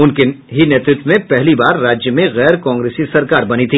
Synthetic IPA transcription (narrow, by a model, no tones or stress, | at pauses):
ʊnkɪnɦineːt̪ɾʊt̪mẽpɛɦlibaːɾːaːd͡ʒjəmẽɣɛːɾkãːŋɡɾeːsisɐɾkaːɾbɐnit̪ʰiː